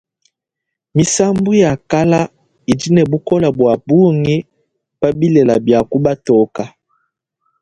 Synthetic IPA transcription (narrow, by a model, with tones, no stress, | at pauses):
mi˨sa˦mbu˦ja˨ka˦la˦ | i˨di˦nɛ˨bu˦kɔ˦la˨bwa˨bu˦ŋi˦ | pa˦bi˦lɛ˨la˨bja˨ku˦ba˦tɔ˨˦ka˨